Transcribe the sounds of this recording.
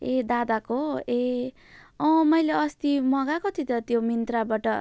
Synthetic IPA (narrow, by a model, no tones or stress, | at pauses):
ed̪ad̪akoe | ʌ̃mʌjleʌst̪imʌɡakot̪ʰit̪ʌt̪jomint̪rabaʈʌ